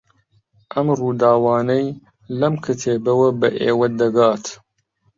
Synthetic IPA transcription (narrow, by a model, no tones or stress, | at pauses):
ʔɐmruːd̪aːwɑːnɐj | lɐmkʰɨt̪ʰeːbɐwɐbɐʔeːwɐd̪ɐɡaːt̪